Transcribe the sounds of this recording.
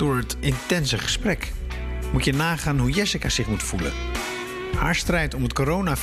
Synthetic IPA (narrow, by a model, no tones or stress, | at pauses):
d̥ʊːɹɦətɪntɛnsəχəsprɛk | mutjənaːχaːnɦujɛsɪkaz̥ɪχmutfulə̰n | ha̰ːɹstrɛjtɔmətkoɾownaf